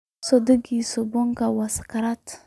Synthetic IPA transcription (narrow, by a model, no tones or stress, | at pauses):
sodəɡisoboŋkawaskaɾat